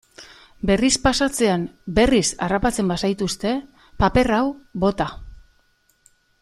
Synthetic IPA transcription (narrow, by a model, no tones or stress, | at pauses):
be̞rispasat͡se̞ambe̞risarapat͡se̞mbasajt̪ust̪e̞ | pape̞rawbo̞t̪a